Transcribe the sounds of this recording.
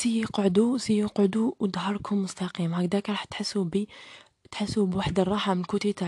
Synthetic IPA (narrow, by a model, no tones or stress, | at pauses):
sijiqʕd̪usijːuqʕd̪uwd̪ɦɑɾˤkʰumːʊst̪ɑqimhækd̪ækɾˤɑħt̪ħəsːubi | t̪ħəsːubwaħd̪ərˤːɑħamənlkut̪it̪a